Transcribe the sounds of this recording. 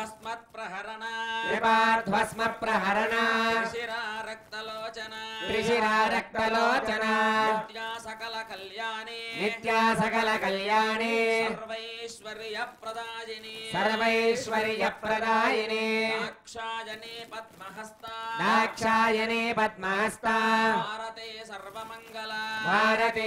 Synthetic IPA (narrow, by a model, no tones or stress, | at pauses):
sɐnipaːɾd̪ʱʋɐsmɐpɾɐɦɐɾɐna | ɾɐk̚t̪ɐlːɐɾiʂiɾaːɾɐk̚t̪ɐloːt͡ʃɐnajɐɐlɐljːnnit̪jaːsɐkɐlɐkɐljaːneɾʋɐʂɐɾɐpɾɐd̪aːjɐnsɐɾʋɐiʂʋɐɾijɐpːɾɐd̪aːjɐnekʂaːjɐnpɐd̪mɦɐst̪ɾaːkʂaːjɐnepɐd̪̚mɐɦɐst̪ʰɐɾɐt̪esɐɾʋɐmɐŋɡɐlɐbʱaːɾɐt̪e